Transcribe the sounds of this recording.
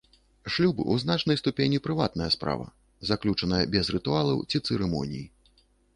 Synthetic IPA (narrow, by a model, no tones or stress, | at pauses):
ʂlʲubɨ̰ʔuzn̪at͡ʂnɐjst̪upʲenʲipɾɨvat̪̚nɐjɐspɾa̰vɐ̰ | zaklʲut͡ʂɐnɐjɐbʲɛzrɨt̪ualˠɐ̰wt͡sʲit̪sɨɾɛmɔ̰nʲḭji